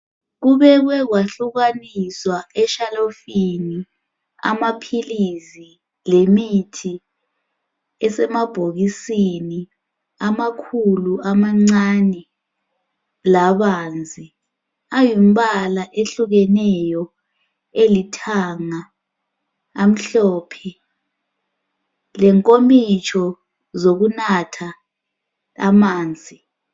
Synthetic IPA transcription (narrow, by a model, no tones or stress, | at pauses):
ɣuβɛɣ̬wɛɣwaɬuɣaniswaɛʃalofini | a̰mapʰilisi | lemitʰi | ɛsɛmab̥ʱoɣisini | amakʰuluʔamaŋ͡ǀanɛ | laβaːnd͡zʱi | ajim̩ɓalaʔeɬuɣɛnɛjɔ | elitʰaŋa | m̩ɬɔːpʰɛ | lɛŋkʼomit͡ʃʰʼɔ | zoɣunatʰa | maːnd͡zʱi